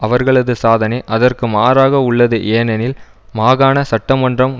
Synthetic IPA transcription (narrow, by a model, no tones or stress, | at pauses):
ɐʋɐɾɣɐɭɐðɯsaːðɐnɐɪʔɐðɐrkɯmaːɾaːɣɐʊɭːɐðɯʔeːnɐnɪl | maːɣaːnɐsɐʈːɐmɐndrɐm